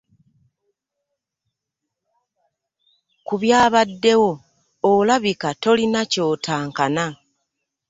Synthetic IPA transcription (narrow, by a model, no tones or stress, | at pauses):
kuβjaːβadːe̞wo̞ː | laβikato̞linaco̞ːtaːŋkana